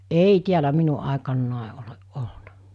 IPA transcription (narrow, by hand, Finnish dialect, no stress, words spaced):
eˑi tiælæ minu ʔɑˑekɑnːɑˑe oleʔ ʔolnɑ̥